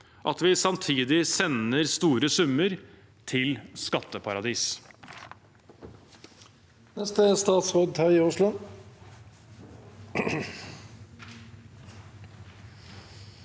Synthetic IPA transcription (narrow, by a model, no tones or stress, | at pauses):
ʔɑt̪ʋɪsɑmt̪ʰiːd̪ɪsɛnəɾst̪uːɾəsʉmːəɾ | t̪ʰɪlskɑt̪ːəpʰɑɾɑd̪iːs | nɛst̪əst̪ɑːt̪sʁoːd̪ʰɑɪʊʂlʊ